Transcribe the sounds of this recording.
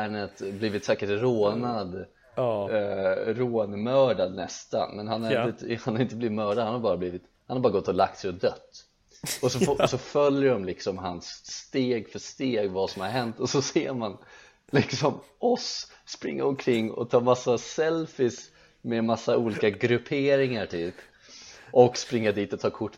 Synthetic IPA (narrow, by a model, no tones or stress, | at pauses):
æːɳət̪bliːvɪt̪saːkɪʈɾoːnad̪ | ɾoːnmœːɖad̪nɛ̰st̪a̰nmɛnhanhaɾɪnəhanhaɾɪnt̪əbliːvɪt̪mœːɖad̪hanhaɾbɑːɾabliːvɪt̪ | hanhaɾbɑːɾaɡɔt̪ːɔlak̚t̪sɛjɔd̪œt̪ː | ɔsɔfsɔfœljəɖɔmlɪksɔmɦansːt̪eːɡfœʂt̪eːɡvasɔmhaɾɦɛnt̪ɔsɔseːɾman | lɪksɔm | ɔsː | pɾɪ̰ŋːa̰ɔmkʰɾɪŋːɔ̰t̪ʰɑːmasːasɛlfɪs | memasːaʔuːliːkaɡɾɵpʰeːɾɪŋaɾʈ̪ʰyːp | ʔɔkspɾɪŋːad̪iːt̪ɔt̪ʰɑːkʰʊʈː